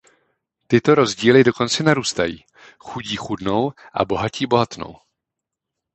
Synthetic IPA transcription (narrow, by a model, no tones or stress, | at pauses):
t̪ɪt̪o̞ɾo̞zɟiːlɪdo̞ko̞nt͡sɛnaɾuːst̪ajiː | xuɟiːxudno̞wʔa̰bo̞ɦaciːbo̞ɦat̪no̰w